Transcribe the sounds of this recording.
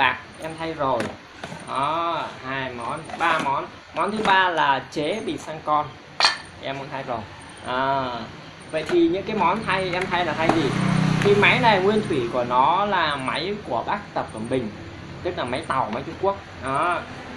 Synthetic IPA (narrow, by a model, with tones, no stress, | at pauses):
aː˨˩k̚ʔɛ˧mt̪ʰa˧jzo˨˩j | ʔɔ˨˦haː˧jmɔ˨˦nt̪ʰɓaː˧mɔ˨˦n | mɔ˨˦nt̪ʰɨ˨˦ɓaː˧laː˨˩t͡ɕe˨˦ɓḭ˧˨saː˧ŋkɔ˧n | ʔɛ˧mɔ̰˧˦nt̪ʰa˧jzo˨˩j | ʔaː˨˩ | və̰˧˨jt̪ʰi˨˩ɲɨ̰˧˥ŋkaː˨˦jmɔ˨˦nt̪ʰa˧jʔɛ˧mt̪ʰa˧jlaː˨˩t̪ʰa˧jzi˨˩t̪ʰi˨˩ma˨˦jna˨˩jŋwi˧ənt̪ʰwi˧˩ku˧˩ənɔ˨˦laː˨˩ma˨˦jku˧˩əɓaː˦˥k̚t̪ə˨˩p̚kə˨˩nɓï˨˩ŋ̟ | t̪ɨ˦˥k̚laː˨˩ma˨˦jt̪a˨˩wma˨˦jt͡ɕu˧ŋ͡mku˦˥ək̚ʔɔ˨˦